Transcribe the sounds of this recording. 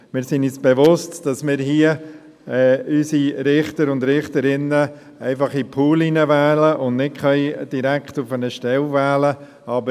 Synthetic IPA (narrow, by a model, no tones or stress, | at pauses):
mɪɾsɪnysb̥evʊstd̥ɑsmɪːɾɦiə | ɛysiɾɪχtəɾʊndɾɪχtəɾɪnːə | ɛɪfɑχipʰuːlinəvɛːləʔʊndnɪt̚χœʏd̥iɾækχtʊfənəʃtɛlvɛːlə | ɑbə